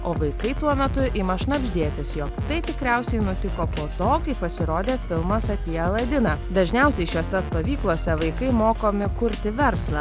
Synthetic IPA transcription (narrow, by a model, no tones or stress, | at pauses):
oːʋɐɪkɐɪt̪uɔmʲɛt̪ʊʔɪmɐʃnɐbʲʒʲd̪ʲeːt̪ʲɪsjoːkt̪ɐɪt̪ʲɪkɾʲɛˑʊsʲɛɪnʊt̪ʲɪkoːpoːt̪oːkɐɪppɐsʲɪɾoːd̪ʲeːfʲɪlˠmɐsɐpʲiɛlˠɐd̪ʲɪnɑːd̪ɐʒʲnʲɛʊsʲɛɪʃʲoːsʲɛst̪oːʋʲiːklˠoːsʲɛʋɐɪkɐɪmoːkoːmʲɪkʊɾʲt̪ʲɪʋʲɛɾslˠɐ